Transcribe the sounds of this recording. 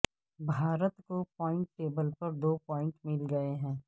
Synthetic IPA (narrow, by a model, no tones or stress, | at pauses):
bʱaːɾət̪kopɔːɪ̃ɳʈːeːbəlpɐɾd̪oːpɔːɪ̃ɳʈmɪlɡɐeɦɛ̃ː